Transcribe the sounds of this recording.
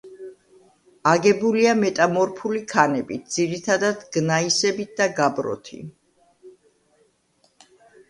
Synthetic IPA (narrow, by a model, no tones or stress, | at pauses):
aɡɛbuliamɛt̪ʼamɔɾpʰulikʰanɛbit̪̚d̪z̥iɾit̪ʰad̪ad̪ɡ̥naisɛbit̪̚d̪aɡabɾɔ̰t̪ʰḭ